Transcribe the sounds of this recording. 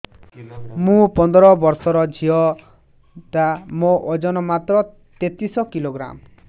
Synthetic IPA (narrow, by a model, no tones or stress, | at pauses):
mũpɔnd̪ɔɾɔbɔɾsɔɾɔd͡ʒʱiɔ | t̪amoʔod͡ʒɔnɔmat̪ɾɔ | t̪et̪isɔkiloɡɾa̰m